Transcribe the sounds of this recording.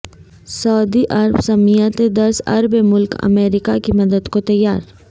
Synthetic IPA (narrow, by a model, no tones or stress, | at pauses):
sɐːd̪iʔɐɾbsɐmijat̪ed̪ɐɾsɐ̰ɾbemʊlkɐ̰meːɾɪkakimɐd̪əd̪kot̪ɐjːaːɾ